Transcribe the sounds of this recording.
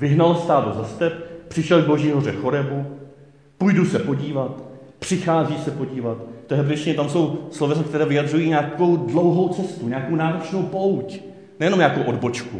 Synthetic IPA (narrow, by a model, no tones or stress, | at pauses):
vɪɦnalst̪aːdozast̪ɛppr̥ɪʃɛlɡ̚bo̞ʒiːɦor̝ɛxoɾɛbu | pujdusɛpo̞ɟiːvat̪pr̝̥ɪxaːziːsɛpo̞ɟiːvat̪t̪oɦɛbɛsɲɛt̪amso̞wslovɛzk̚t̪ɛɾɛːvɪjadr̝ujiːɲaːko̞wdlo̞wɦo̞wt͡sɛst̪uɲaːkownaːɾo̞t͡ʃno̞wpo̞wc | nɛjɛnomɲaːkowʔodbo̞t͡ʃku